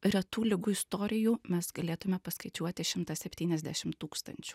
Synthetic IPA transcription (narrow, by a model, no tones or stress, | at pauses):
ɾɐt̪uːlʲɪɡʊɪst̪oːɾʲɪjuːmʲɛsɡɐlʲeːt̪ʊmʲɛpɐskɐɪt͡ʃʲuɔt̪ʲɪʃʲɪmt̪ɐsʲɛpʲt̪ʲiːnʲɛzd̪ʲæʃʲɪmt̪uːkst̪ɐ̰nʲt͡ʃʲu̥